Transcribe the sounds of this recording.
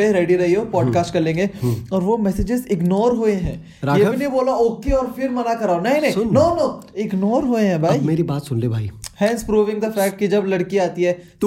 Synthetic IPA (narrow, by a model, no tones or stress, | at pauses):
eɾeːɖiɾɐɦioːpɔːɖkaːsʈkɐɾlẽːŋɡeɔːɾʋomɛsed͡ʒɪzɪɡnɔːɾɦoeɦɛ̃ː | ɾaːjebineboːlaoːkeɔːɾfɪɾmɐnakɐɾaːonɐɦĩnɐ̃ɦĩnoːnoːɪɡnɔːɾɦoeɦɛ̃bʱaːimeːɾibaːt̪sʊnleːbʱaːihɛ̃ːnspɾuːʋɪ̃ŋɡd̪əfɛːk̚ʈ̚kid͡ʒɐblɐɽkiaːt̪iɦɛt̪